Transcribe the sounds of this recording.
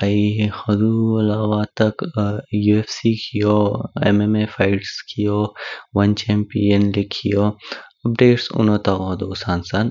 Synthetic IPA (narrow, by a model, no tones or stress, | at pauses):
aihɐd̪uɐlaːʋat̪ɐkjuːefsiːkʰijoːḛmemefʰaːɪʈskʰijoːʋɐnt͡ʃɛːmpienlɪkʰːijoːɐp̚ɖeːʈsʊ̰nõːt̪aːoɦd̪oːsaːnsan